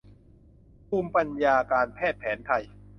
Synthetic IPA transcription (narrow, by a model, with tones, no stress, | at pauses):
pʰuː˧mpa˧njaː˧kaː˧npʰɛː˥˩t̪̚pʰɛː˩˦nt̪ʰa˧j